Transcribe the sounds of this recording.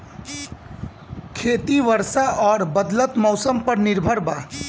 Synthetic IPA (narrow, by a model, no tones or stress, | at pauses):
kʰeːt̪iʋəɾsaʔɔːɾbəd̪lət̪mɔːsəmpəɾnɪɾbʱəɾba